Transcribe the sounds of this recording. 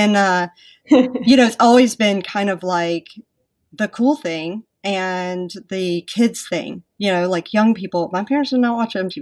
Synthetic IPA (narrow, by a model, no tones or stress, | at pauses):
ɨ̃nʌ | jɨñoʊɨtsɔlˠwizbɪ̃nkʰãɪ̃ndʌvlaɪk | ðɨkʰulˠθɪ̃ŋ | ɨ̃nðɨkʰɪdz̥θɪ̰̃ŋjɨnoʊlaɪkʰjʌ̃ŋpipl̩ˠmaɪpʰɛɹɨ̃ntsə˞nət̚wɑt͡ʃɨ̃mtʰi